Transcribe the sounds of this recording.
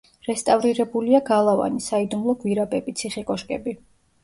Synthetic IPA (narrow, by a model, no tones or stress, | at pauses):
ɾɛst̪ʼavɾiɾɛbuliaɡalˠava̰nisaid̪umlˠɔɡviɾabɛbit̪sʰiχikʼɔʃkʼɛbi